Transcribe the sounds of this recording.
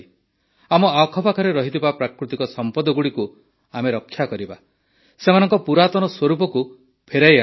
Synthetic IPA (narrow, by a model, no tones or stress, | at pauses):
amɔakʰɔpakʰɔɾeɾɔɦit̪ibapɾakɾut̪ikɔsɔmpɔd̪ɔɡuɽiku | ameɾɔkʰːjakɔɾiba | semanɔŋkɔpuɾat̪ɔnɔswɔɾupɔku | pʰeɾaja